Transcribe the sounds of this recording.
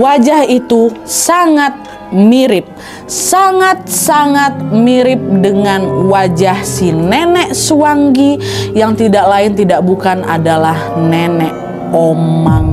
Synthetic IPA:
wad͡ʒahit̪usaŋat̪̚ | miɾɪp̚ | saŋat̪̚saŋat̪̚miɾɪp̚dəŋanwad͡ʒahsinɛnɛʔsuaŋɡi | jaŋt̪idaʔlaɪnt̪idaʔ̚bukanʔa̰dalahnɛnɛʔ | omaŋ

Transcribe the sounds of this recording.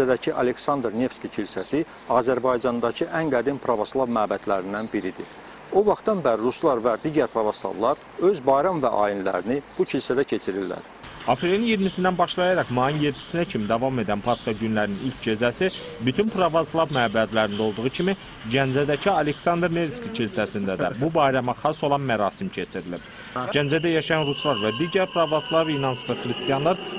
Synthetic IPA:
æd̪æcʰiʔɑle̞ksɑnd̪ɾne̞fscicʰilsæsi | ɑːzæɾbɑjd͡ʒɑnd̪ɑcʰiʔæŋɡæd̪inpʰɾɑvoslˠɑvmæːbæd̪læɾind̪ænbiɾid̪ḭ | o̞vɑχt̪ɑnbæɾɾuslˠɑɾvæd̪iɟæɾpʰɾɑvoslˠɑ̰vlˠɑɾ | ø̞zbɑjɾɑmvæʔɑ̰ːinlæ̰ɾinib̥ucʰilsæd̪æcʰe̞t͡ʃʰiɾilːæ̰ɾ | ɑpʰɾe̞linjiɾmisind̪ænbɑʃlˠɑjɑɾɑχmɑjinje̞d̪ːi̥sinæcʰimid̪ɑvɑme̞d̪ænpʰɑskɑɟynlæɾninilʲcʰd͡ʒe̞zæsi | byt̪ʰynpʰɾɑvɑslˠɑbmæːbæd̪læɾind̪o̞lˠd̪uʁucʰimi | ɟænd͡ʒæd̪æcʰiɑle̞ksɑnd̪ɾneɾskicʰilsæsind̪æd̪æ̰bubɑjɾɑmɑχɑso̞lˠɑnmæɾɑːsimcʰe̞t͡ʃʰiɾilḭb̥ | ɟ̥ænd͡ʒæd̪æjɑʃɑjɑnɾuslˠɑɾvæd̪iɟæɾpʰɾɑvaslˠɑɾɯinɑnsɯɾɯχɾist̪ijɑnlˠɑɾ

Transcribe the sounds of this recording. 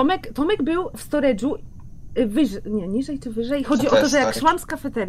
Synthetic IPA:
ɔmɛkt̪ɔmɛɡbɘwfst̪ɔɾɛʐu | vɘʐɲɛɲiʐɛjt͡ʂɘvɘʐɛjxɔd͡ʑiɔt̪ɔʐɛjakʂwamskafɛt̪ɛɾ

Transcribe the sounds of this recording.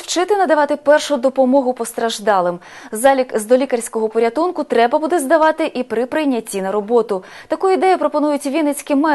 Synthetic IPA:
wt͡ʃɪt̪ɪnɐd̪ɐʋɑt̪ɪpɛrʃʊd̪ɔpɔmɔɦʊpɔst̪ɾɐʒd̪ɑlˠɪmzɑlʲikzd̪ɔlʲikɐrʲsʲkɔɦɔpɔɾʲɐt̪unkʊt̪ɾɛbɐbud̪ɛzd̪ɐʋɑt̪ɪʔipɾɪpɾɪjnʲːɐtʲːinɐɾɔbɔt̪ʊ | t̪ɐkuid̪ɛjʊpɾɔpɔnujʊtʲʋʲinet͡sʲkɪmɛ

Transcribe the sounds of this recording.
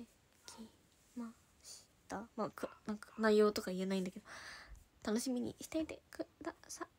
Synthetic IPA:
e | kʲʰi | ma | ɕi̥t̪amaːkɯnãŋkḁnaijo̞ːt̪o̞kaie̞naĩnd̪ake̞d̪o̞t̪ano̞ɕimʲiɲ̟ḭɕi̥t̪eit̪ekɯd̪asa

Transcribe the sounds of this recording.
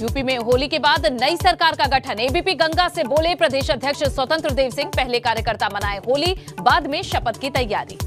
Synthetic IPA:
juːpimẽɦoːlikebaːd̪nɐisɐɾkaːɾkaɡɐʈʰəneːbiːpiɡɐ̃ŋɡaseboːlepɾɐd̪eːʃɐd̪ʱjəkʃswɐt̪ə̃nt̪ɾəd̪eːʋsɪ̃ŋɡ̚pɛɦlekaːɾjəkəɾt̪amɐnaːeɦoːlibaːd̪mẽʃɐpət̪kit̪ɐja̰ːɾḭː

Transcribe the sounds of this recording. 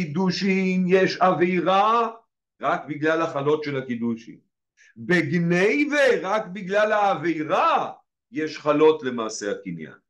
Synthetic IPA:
id̪uʃimjeʃavejʁa | ʁakbiɡlalhaχalo̞tʃelakid̪uʃḭm | beɡnejveʁakbiɡlalhaːvejʁa | jeʃχalo̞tle̞maːse̞akinja̰n

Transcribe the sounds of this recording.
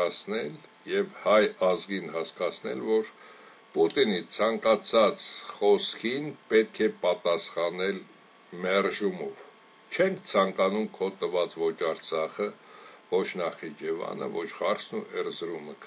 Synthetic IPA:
ɑt͡sʰnɛl | jɛvhɑjɑzɡinhɑskɑt͡sʰnɛ̰lvɔɾ | put̪init͡sʰɑŋkɑt͡sʰɑt͡sχɔskʰinpɛt̪kʰɛpɑt̪ɑsχɑnɛl | mɛrʒumɔv | t͡ʃʰɛŋkʰt͡sʰɑŋkɑnumkʰɔt̪ːəvɑt͡svɔt͡ʃɑɾt͡sʰɑχə | vɔt͡ʃʰnɑχid͡ʒɛvɑ̰nə̰vɔt͡ʃʰχɑrsʰnuʔɛɾzɾuməkʰ

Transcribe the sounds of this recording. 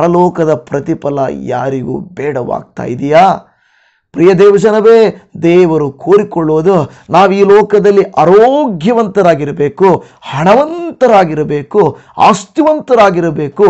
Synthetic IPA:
ɐɾɐlɔːkɐd̪ɐpɾɐt̪ipɐlɐ̰ja̰ːɾiɡṵːbɛːɽɐʋa̰ːɡ̚t̪a̰ːjid̪ijaː | pɾijɐd̪ɛːʋɐd͡ʒɐnɐʋeːd̪ɛːʋɐɾukoːɾikɔɭːoːd̪u | naːʋiːlɔːkɐd̪ɐlːiʔaːɾoːɡʱjɐʋɐnt̪ɐɾaːɡiɾɐbeːku | hɐɳɐʋɐnt̪ɐɾaːɡiɾɐbeːku | a̰ːst̪juʋɐnt̪ɐɾaːɡiɾɐbeːku

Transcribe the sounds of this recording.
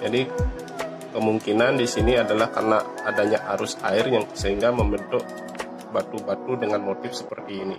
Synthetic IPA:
d͡ʒadi | kəmuŋkinandisiniadalahka̰rnaːdaɲaʔaɾʊsaɪrjaŋsəɦiŋɡaməmbədʊʔ | bat̪ubat̪udəŋanmot̪ɪfsəpərt̪iːni

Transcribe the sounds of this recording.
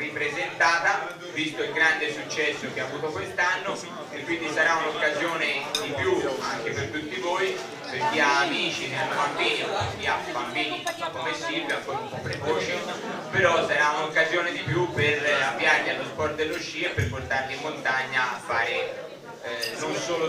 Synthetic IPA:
ripɾezent̪aːt̪a | vist̪oilɡɾand̪esut͡ʃːɛsːok̟eavuːt̪okwest̪anːo | ekːwind̪isaɾaunokːazjoːned̪ipjuaŋk̟epert̪ut̪ːivoːi | peɾk̟ːiaːmit͡ʃinelmbambiːɲok̟iabambiːnikomesibliaŋkoːɾumpɔpːɾekoːt͡ʃipeɾɔsːaɾaunaokːazjoːned̪ipjupːeravjaɾɲialːospɔrt̪d̪elːot͡ʃːiːeperport̪aɾnimːont̪aɲːaafːaːɾɪ | nonsoːlo

